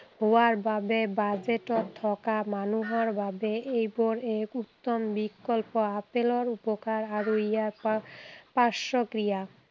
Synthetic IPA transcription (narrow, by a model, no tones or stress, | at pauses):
ɦoaɾbabebad͡ʑeʈot̪ʰːɔkamanuɦoɾbabeʔejboɾekut̪ːombikːolpoapeloɾupokaɾaɾuijaɾ | paʃokɾija